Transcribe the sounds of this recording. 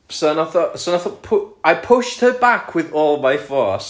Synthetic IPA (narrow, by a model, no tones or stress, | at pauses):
sənɔθɔsənaθɔpʰʊajpʰʊʃt̚həbakʰwɪðɔːlˠmajfɔːs